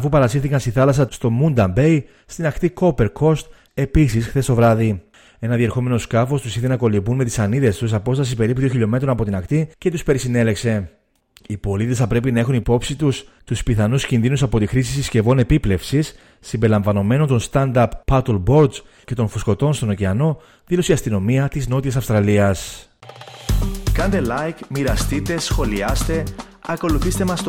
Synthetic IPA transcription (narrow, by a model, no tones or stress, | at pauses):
ɐfupɐɾɐsiɾθikɐnst̪iθɐlɐsɐst̪o̞mund̪ɐmbe̞j | st̪inɐkt̪iko̞peɾkʰo̞st̪ | e̞pisisxθe̞st̪o̞vɾɐði | e̞nɐðie̞ɾxo̞me̞no̞skɐfo̞st̪usiθe̞nɐko̞lipunme̞t̪i̥sɐniðe̞st̪usɐpo̞st̪ɐsipe̞ɾipuðioçiʎo̞me̞t̪ɾo̞nɐpo̞t̪inɐkt̪ice̞t̪uspe̞ɾisine̞le̞kse̞ | ipo̞lit̪e̞sθɐpɾe̞pinɐexunipo̞psit̪ust̪uspiθɐnuscinðinusɐpo̞t̪ixɾis̬isisce̞vo̞ne̞piple̞fsisː | imbelɐ̃ɱvɐno̞me̞no̞nt̪o̞nst̪ɐnd̪ɐpːɐt̪olbo̞ɾd̪z | cet̪o̞nfusko̞t̪o̞nst̪o̞nociɐno̞ | ðilo̞siɐst̪ino̞miɐt̪izno̞t̪iɐsɐfst̪ɾɐliɐs | kɐnd̪elɐjkmiɾɐst̪it̪e̞sxo̞liɐst̪e̞ | ɐko̞luθist̪e̞mɐst̪